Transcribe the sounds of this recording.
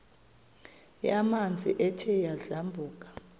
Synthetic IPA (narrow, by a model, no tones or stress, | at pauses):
jamand͡zʱḭʔɛtʰɛjaɮambʱuːk̬ʼḁ